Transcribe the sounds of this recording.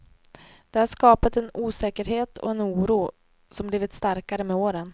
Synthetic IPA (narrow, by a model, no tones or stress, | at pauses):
d̪̥ɛhaʂkɑːpat̪ɛnuːsɛːkəɾɦeːt̪ʰɔ̰ɛnuːɾuː | sɔmbliːvɪt̪st̪aɾkaɾəmɛoːɾən